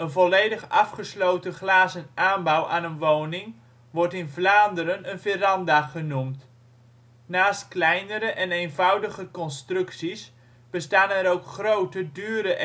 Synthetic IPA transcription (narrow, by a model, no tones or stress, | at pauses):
ənvɔlejdəχɑfχəslowtəχlaːzənʔaːnbawʔaːnənʋoːwnɪŋ | ʋɔrtɪnvlaːndəɾənənfɛrɑndaχənumt | naːstklɛjnəɾəʔɛnejnvʌwdəχəkɔnstrɵksis | b̥əstaːnɛɾowkχrowtədyːɾəʔ